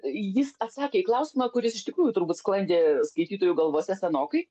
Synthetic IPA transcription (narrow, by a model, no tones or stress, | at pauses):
jɪsɐt̪sɑːkʲeːiklˠɐʊsʲɪmɑkʊɾʲɪsɪʃtʲɪkɾuːjʊt̪ʊɾbuːt̪sklˠɐnʲd̪ʲeːskɐɪt̪ʲiːt̪oːjuɡɐlˠʋoːsʲɛsʲɛnoːkɐɪ